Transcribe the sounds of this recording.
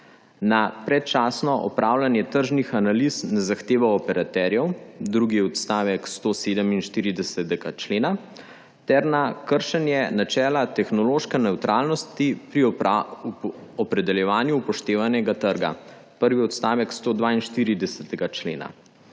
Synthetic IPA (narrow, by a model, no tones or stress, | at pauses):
napɾɛt̪̚t͡ʃaːsnɔʔɔpɾaːwlanjɛt̪əɾʒnixanalisnɛzaxt̪eːʋaɔpɛɾat̪ɛɾjɛwd̪ɾuːɡiɛɔt̪st̪aːʋɛkst̪oːseːd̪əminʃt̪iːɾid̪ɛsɛt̪ɛɡat͡ʃleːna | t̪ɛɾnakəɾʃɛnjɛnat͡ʃɛːlat̪ɛxnɔloʃkɛnɛwt̪ɾaːlnɔst̪ipɾi | ɔpɾɛd̪ɛljɛʋaːnjupɔʃt̪eːʋanɛɡat̪əɾɡa̰ | pəɾʋiɔt̪st̪aːʋɛkst̪oːd̪ʋaːinʃt̪iːɾid̪ɛsɛt̪ɛɡat͡ʃlḛːna̰